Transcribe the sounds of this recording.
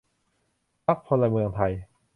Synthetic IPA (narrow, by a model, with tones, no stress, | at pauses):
pʰa˦˥k̚pʰo˧la˧mɯ˧əŋt̪ʰa˧j